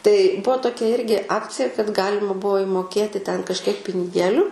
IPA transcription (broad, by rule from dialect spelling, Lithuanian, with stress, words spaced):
tɐɪ ˈbʊʋoː toːˈkʲɛ ˈɪrʲɡʲɪ ˈɑːkt͡sʲɪjɛ kɐt ˈɡɑːlʲɪmɐ ˈbuɔ ɪmoːˈkʲeːtʲɪ tʲɛn kɐʃʲˈkʲiɛk pʲɪnʲɪˈɡʲeːlʲʊ